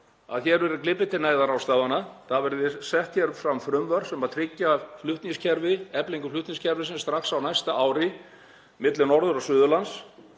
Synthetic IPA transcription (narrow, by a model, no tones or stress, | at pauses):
a̰ðçɛɾvɛɾɪklɪpɪt̪ɪnaːjðaɾawst̪aːvanaθavɛɾðɪsɛht̪çɛɾfɾamfɾʏmvœɾ̥sɛmaðt̪ʰɾɪcːaflʏht̪niscʰɛɾvɪɛpliŋkʏflʏht̪nĩscʰɛɾvɪsɪnst̪ɾaxsawnajst̪aʔaːwɾɪ | mɪt̪lɪnɔɾðʏɾasʏːðʏlans